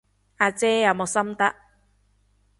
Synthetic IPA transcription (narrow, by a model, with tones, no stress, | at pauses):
ʔaː˨˧t͡sɛː˦˥jaː˨˩mɔ˨˩sɐ˥mt̪ɐ˦˥ʔ